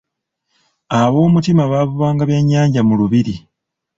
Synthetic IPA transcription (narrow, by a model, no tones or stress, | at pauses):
aβo̞ːmutimaβaβuβaːŋɡaβjeɲːaːɲɟamuluβiɾi